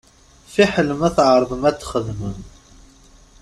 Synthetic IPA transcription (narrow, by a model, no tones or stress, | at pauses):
fiħələmæθʕəɾˤðəmæt͡sːχəðmən